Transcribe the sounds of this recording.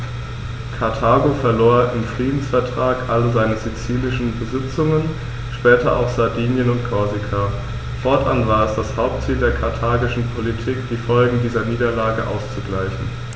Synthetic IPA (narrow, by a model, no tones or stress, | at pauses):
kʰaɐtʰaːɡofɛɐloːɐʔɪmfʁ̥iːdn̩sfɛɐtʁ̥aːkʔaləzaɪnəzit͡siːlɪʃn̩bəzɪt͡sʊŋən | ʃpɛːtɐʔa̰ʊxz̥aɐdiːnjənʊntkʰɔɐzikʰa | fɔɐtʔanvaːɐɛsd̥ashaʊp̚tt͡siːldeːɐkʰaɐtʰaːɡɪʃn̩pʰolitʰiːkd̥iːfɔlɡŋ̩diːzɐniːdɐlaːɡəʔa̰ʊst͡suɡlaɪçn̩